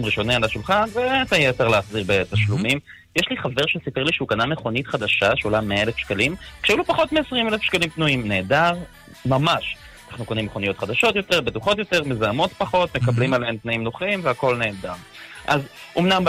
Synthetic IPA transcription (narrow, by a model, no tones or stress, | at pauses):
mʁiʃo̞nealaʃulχanvebemet̪ajeteʁleaχziʁbet̪aʃlumim | jeʃliχave̞ʁʃesipeʁliʃeukaname̞χo̞nit̪χad̪aʃaʃeolameelefʃkalimkʃeulupaχo̞tmeːsʁimelefʃkalimtnuimne̞ːdaʁ | mamaʃ | anaχnuko̞nimːeχo̞nijo̞t̪χad̪aʃo̞tjo̞te̞ʁbetuχo̞t̬jo̞te̞ʁmezaamo̞tpaχo̞t̪me̞kablimalehemt̪naimnoχimveako̞lne̞ːdam | ʔa̰zomnam